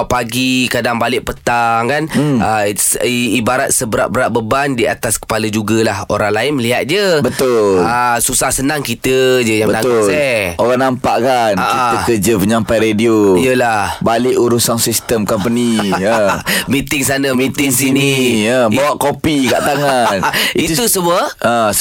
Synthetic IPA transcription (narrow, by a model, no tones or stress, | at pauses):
paɡikadaŋbalɪʔ̚pət̪aŋkanəsibaɾat̪̚səbəɾa̰ʔ̚bəɾaʔbəbandia̰t̪askə̥paləd͡ʒuɡəlahoɾaŋlaɪnməliɦat̪̚d͡ʒəbət̪ʊləsusahsənãŋkit̪əd͡ʒəjaŋbənaɡ̪ʊslɛoɾanampaʔkanakit̪əkəd͡ʒəpəɲampajɾedioijəlahbalɪʔuɾusansist̪əmkɔmpəniəmit̪ɪŋsanəmĩt̪ɪŋs̬iniəbawaʔkopika̰ʔt̪aŋaniitt̪usəmuəə